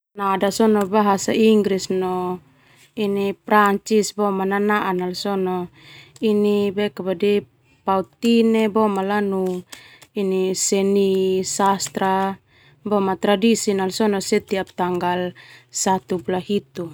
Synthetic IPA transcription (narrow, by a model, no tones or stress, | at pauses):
nadasɔnɔbaɦasaiŋɡɾisnɔ | inipɾaɲt͡ʃisbɔmananaʔanalsɔnɔ | inibɛkabadi | paut̪inebɔmalanu | inisɛnisast̪ɾa | bɔmat̪ɾadisinalsɔnɔsɛt̪iap̚t̪aŋɡalsat̪upulahit̪u